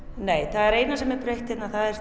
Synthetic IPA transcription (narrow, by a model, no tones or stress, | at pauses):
neːjθaðɛɾeːjnasɛmɛɾpɾejht̪ɪt̪naθaðɛɾ̥